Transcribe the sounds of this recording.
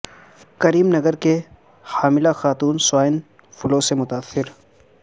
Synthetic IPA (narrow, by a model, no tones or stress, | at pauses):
kɐɾiːmnɐɡəɾke | haːmɪlaxaːt̪uːnsʊwaːɪn | fʊloːsemʊt̪aːsːɪɾ